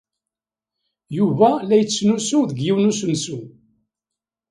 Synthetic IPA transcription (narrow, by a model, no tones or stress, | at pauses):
juvælæjət͡sːsnusuðəɡjiwnusənsu